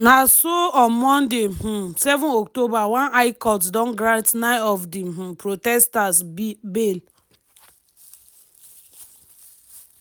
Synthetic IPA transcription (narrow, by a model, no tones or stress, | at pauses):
nasoɔ̃mɔ̃ndeɦ̩sɛvɔ̃nɔktobawãnaɪkɔtdɔ̃nɡɾãntnaɔfdiɦ̩pɾotɛstasbel